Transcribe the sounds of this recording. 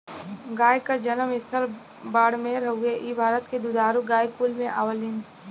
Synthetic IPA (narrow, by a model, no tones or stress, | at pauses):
ɡaːjkad͡ʒɐnəmɪst̪ʰəɾ | baːɽmẽɾɐuɡeʔiːbʱaːɾət̪ked̪ud̪aːɾuɡaːjkuːlmẽʔaːʋəlin